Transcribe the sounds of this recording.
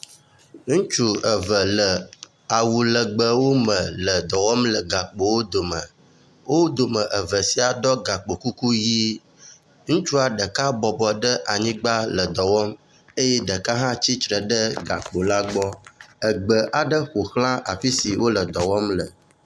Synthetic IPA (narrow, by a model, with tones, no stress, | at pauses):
ŋũ˦t͡ʃu˦ə˨və˨lə˨ | a˨wu˨lə˨ɡ͡bə˨wo˦mə̃˨lə˨d̪ɔ˨wɔ˦mlə˨ɡa˨k͡po˨wo˦d̪o˨mə̃˨ | wo˦d̪o˨mə̃˨ʔə˨və˨si˨a˨ɖɔ˦ɡa˨k͡po˨ku˦ku˦ji˦ | ŋũ˦t͡ʃu˦a˨ɖə˨ka˦bɔ˨bɔ˨ɖə˦ʔa˨ɲĩ˦ɡ͡ba˦lə˨d̪ɔ˨wɔ˦m | e˦jɛ˦ɖə˨ka˦ɦã˦t͡ɕi˦t͡ʃɾə˨ɖə˦ɡa̰˨k͡po˨la˦ɡ͡bɔ˦ə˨ɡ͡bə˨ʔa˨ɖə˦xo˨xlã˦ʔa̰˨fi˦si˨wo˦lə˨d̪ɔ˨wɔ˦mlə˨